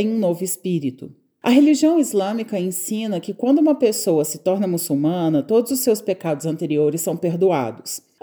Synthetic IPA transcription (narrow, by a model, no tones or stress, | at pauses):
ẽj̃ũnovʊespiɾit̪ʊ̰ | ɐ̰ɦeliʒiɐ̃w̃izlɐ̃mikɐẽsĩnɐkɪkwɐ̃nd̪ʊũmɐpesowɐsɪt̪ɔɾnɐmusuwmɐ̃nɐt̪od̪ʊzʊsewspekad̪ʊzɐ̃nt̪eɾioɾɪsːɐ̃w̃peɾd̪ua̰d̪ʊs